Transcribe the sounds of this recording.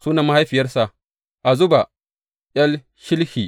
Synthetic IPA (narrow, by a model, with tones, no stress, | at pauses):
suː˦na˨ma˦ha˦jɸi˨jɐ˦rsa˨ʔ | ʔa˨zʊ˦ba˨ | jʲɐ˦l | ʃɪ˦lhiː˨